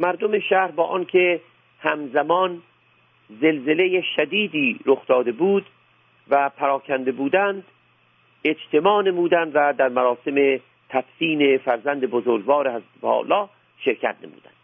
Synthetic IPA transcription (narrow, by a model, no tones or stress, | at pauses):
mæɾd̪omeʃæɾbɒːʔɒːnkʰe | hæmzæmɒːn | zelzelejeʃæd̪iːd̪iːɾoxd̪ɒːd̪e̞buːd̪ | væpʰæɾɒːkʰænd̪e̞buːd̪ænd̪ | ed͡ʒt̪ʰe̞mɒːnemuːd̪ænd̪væd̪æɾmæɾɒːse̞me | t̪ʰæfsiːnefæɾzænd̪ebozoɾɡvɒːɾehæzbɒ̰ːlɒː | ʃeɾkʰæ̰t̪̚nḛmṵːd̪æ̰nd̪̥